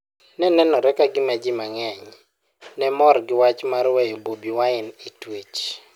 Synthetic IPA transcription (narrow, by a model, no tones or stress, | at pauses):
nɛnɛnɔɾɛkaɡɪmad͡ʒɪmaŋɛɲ | nɛmɔrɡɪwat͡ʃmaɾwɛjbobiwaɪnɪtwet͡ʃ